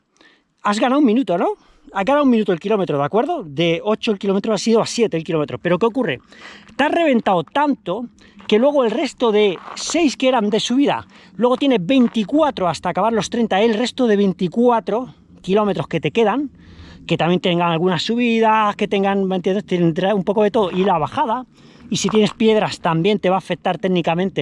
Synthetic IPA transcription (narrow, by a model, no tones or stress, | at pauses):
azɣanaumĩnut̪ono̞ | azɣanawuminut̪olkilo̞me̞t̪ɾo̞ðakwe̞ɾðo̞ðe̞o̞t͡ʃoelkilo̞met̪ɾoasiðoasje̞t̪eːlkilo̞me̞t̪ɾo̞pe̞ɾo̞ke̞okure̞̰t̪easre̞β̞e̞nt̪awt̪ant̪o̞ | ke̞lwe̞ɣ̞oe̞lre̞st̪o̞ðe̞se̞jskeeɾand̪e̞suβiða̰ | lwe̞ɣ̞o̞t̪je̞ne̞βe̞jnt̪ikwat̪ɾo̞ast̪aːkaβaɾlo̞st̪ɾe̞nt̪aelre̞st̪o̞ðe̞β̞e̞jnt̪ikwat̪ɾo̞ | kilo̞me̞t̪ɾo̞ske̞t̪e̞ke̞ðaŋ | ke̞t̪amje̞nt̪eŋɡaŋalɣunasːuβiðake̞t̪e̞ŋɡaŋent̪jenet̪end̪ɾaumpo̞ko̞ðe̞t̪o̞ðoʔilaβaxaða | isit̪je̞ne̞spje̞ðɾast̪ambje̞nt̪e̞βaːfe̞k̚t̪aɾt̪e̞ɣnikamẽnt̪e̞